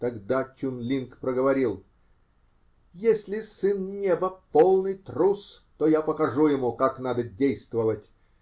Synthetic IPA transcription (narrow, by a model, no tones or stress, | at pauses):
t̪ɐɡd̪at͡ɕʲunlʲinkpɾəɡəvɐɾʲilˠ | jesʲlʲɪsɨnnʲebəpolˠnɨjt̪ɾust̪ojapəkɐʐujɪmukaknad̪ədʲejst̪vəvətʲ